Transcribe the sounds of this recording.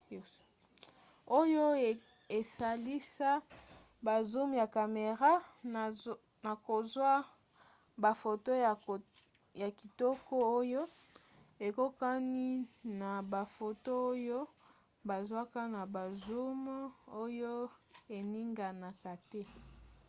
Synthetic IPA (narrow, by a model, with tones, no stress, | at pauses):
o˦jo˦˨ | e˨sa˨li˦sa˦ | ba˨zu˦m˨ja˨ka˨me˨ʁa˦ | na˨ko˨zwa˦ | ba˨fo˨to˦˨ | ja˨ki˨tɔ˦ko˦o˦jo˦ | e˨ko˦ka˦ni˦na˨ba˨fo˨to˦o˦jo˦ | ba˨zwa˦ka˦na˨ba˨zu˦m˦o˦jo˦e˨ni˦ŋɡa˨na˨ka˨tɛ˦